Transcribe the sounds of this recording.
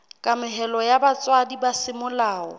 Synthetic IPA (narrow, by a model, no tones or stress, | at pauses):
kʼamɪɦɛlɔjabat͡sʼwadibasɪmʊlaːɔ̰